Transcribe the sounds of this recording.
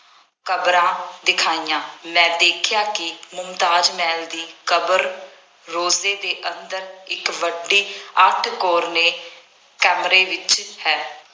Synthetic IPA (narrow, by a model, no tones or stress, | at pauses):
kəbɾãːd̪ɪkʰaːijãːmɛ̃ːd̪eːkʰjaːkɪmʊmt̪aːd͡ʒmɛːld̪iːkəbəɾː | oːzeːd̪eːʔənd̪əɾɪkʋəɖːiːəʈʰkoːɾneː | kɛːmɾeːʋɪt͡ʃhɛː